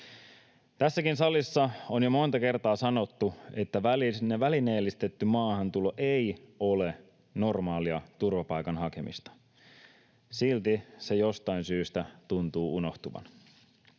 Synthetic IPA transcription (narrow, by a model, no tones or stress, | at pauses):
t̪æsːækinsɑlːˑisːɑonjomo̞nt̪ɑke̞rt̪ɑːsɑno̞t̪ːue̞t̪ːæʋælineʋæline̞ːlːist̪e̞t̪ːymɑːhɑnt̪ulo̞ʔejo̞le̞ | no̞rmɑːliɑt̪urʋɑpɑjkɑnhɑke̞̰mḭst̪ɑ̥ | silt̪isejost̪ɑinsyːst̪æt̪unt̪uːuno̞ht̪uʋɑ̰n